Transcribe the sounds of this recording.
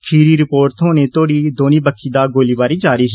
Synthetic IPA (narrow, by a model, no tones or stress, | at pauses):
kʰiːɾiːɾɪpoːɾt̪ɦoːneːt̪oːɽiːd̪oːniːbəkʰːiːd̪aːɡoːliːbaːɾiːd͡ʒaːɾiːɦː